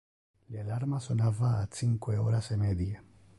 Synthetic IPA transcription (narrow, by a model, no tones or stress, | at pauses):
lialaɾmasonavaːt̪siŋkweɔːɾasemɛd̪je